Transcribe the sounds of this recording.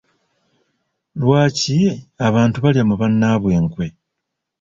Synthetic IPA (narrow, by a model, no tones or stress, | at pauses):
lwaːciaβaːntuβaljamuβanːaːβwe̞ːŋkwe̞